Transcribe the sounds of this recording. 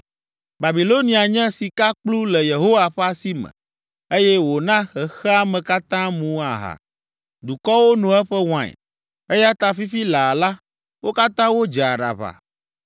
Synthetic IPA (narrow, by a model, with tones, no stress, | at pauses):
ba˨bi˨lo˦nĩ˨a˨ɲɛ̃˦si˨ka˦k͡plu˦lɛ˨je˨ɦo˦wa˨ɸɛ˦a˨si˦mɛ̰̃˨ | e˦jɛ˦wo˨nã˦xɛ˨xɛ˦a˦mɛ̃˨ka˦t̪ã˦mũ˦a˨ɦa̰˨ | d̪u˨kɔ˦wo˦nũ˨ɛ˦ɸɛ˦w̃ã̰˨ | e˦ja˦t̪a˨fi˦fi˦la˨la˦ | wo˦ka˦t̪ã˦wo˦d͡ʒa˨ɖa̰˨βa̰˨